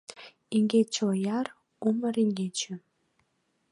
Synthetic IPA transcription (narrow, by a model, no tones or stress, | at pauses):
iŋɡʲet͡ɕojɑr | umə̆ɾiŋɡʲet͡ɕɘ̆